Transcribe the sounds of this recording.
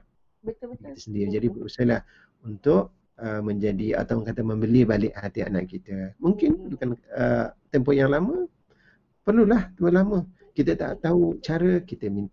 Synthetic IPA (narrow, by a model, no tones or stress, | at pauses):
it̪əsəndiɾid͡ʒadibəɾusalah | unt̪ʊʔ̚ | əməɲd͡ʒadia̰t̪aŋkat̪aməmbəlibalɪʔhat̪ia̰na̰ʔkit̪əmuŋkɪndukanət̪ɛmpɔjaŋlamə | pərlulaht̪uəlamə | kit̪ət̪a̰t̪aut͡ʃaɾəkit̪əmin